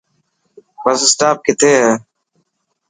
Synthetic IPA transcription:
bəsɪsʈaːp̚kɪt̪ʰeːɦeː

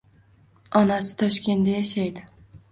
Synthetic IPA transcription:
ɒnasɪ̥t̪ʰɒʃkʲʰe̞nd̪ajaʃajd̪ɪ

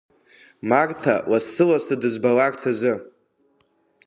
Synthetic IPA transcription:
marʼtʰawasːɨlastʰadɨzbalakʼtʰazɨ

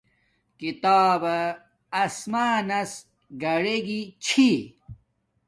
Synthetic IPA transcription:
kit̪aːbɐː | smaːnɐs | ɡɐɽeɡit͡ɕʰi

